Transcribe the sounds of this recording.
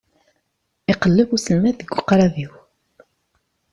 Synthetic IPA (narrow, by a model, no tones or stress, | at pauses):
iqəlːəvusəlmæðəɡʷːʊqɾˤɑðiw